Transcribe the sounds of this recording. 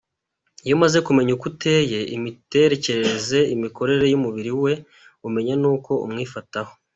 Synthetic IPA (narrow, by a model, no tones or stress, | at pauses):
jomaze̞kume̞ɲukute̞je̞ḭmite̞ɾe̞ce̞ɾeeze̞imiko̞ɾe̞ɾe̞jumuβiɾiwe̞ | ume̞ɲenuːko̞ṵmŋiːfataho̞